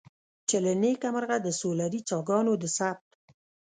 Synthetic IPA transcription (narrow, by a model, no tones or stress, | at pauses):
t͡ʃelanekamaɾɣad̪əsolaɾit͡sɑɡɑnod̪əsap̚t̪